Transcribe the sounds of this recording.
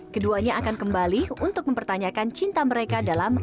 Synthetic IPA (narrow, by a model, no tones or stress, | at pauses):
kəduaɲaakankəmbaliunt̪ʊk̚məmpərt̪aɲakant͡ʃint̪aməɾekadalam